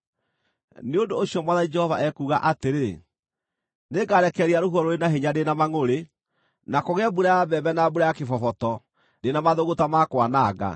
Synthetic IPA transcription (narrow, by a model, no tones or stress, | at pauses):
neondoːɕjɔmwaðaid͡ʒɛhɔvaʔɛkuːɣaʔateɾe | neɡaɾɛkɛɾeaɾoɦuɔɾoɾenaɦeɲadenamaŋoɾe | nakoɣɛbuɾajabɛbɛnabuɾajakefɔfɔtɔ | denamaðoɣotamakwanaːɣa̰